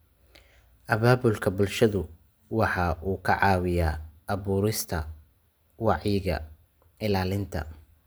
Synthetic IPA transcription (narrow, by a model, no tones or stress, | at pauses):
ʔɐβaːβʊlkʰɐbʊlʃɐðʊ | wɑħɑʔuːkʰɐʕɑːwɪjaːʔɐβuːɾɪst̪ʰɐ̰ | wɑʕjɪɣɐ̰ | ɪlaːlɪnt̪ʰɐ̰